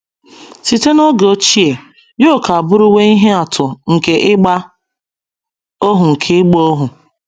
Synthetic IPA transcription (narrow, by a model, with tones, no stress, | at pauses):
si˨te˦no˦ɡo˦t͡ʃi˦e˨ | jo˦˨ka˨a˨bʊ˦ɾʊ˦we˦i˦ɦe˦a˨tʰʊ˨ŋ̩˨ke˨ʔɪ˦ɡ͡ba˦ | o˦ɦʊ˨ŋ̩˨kʰɪ˦ɡ͡bo˦ɦʊ˨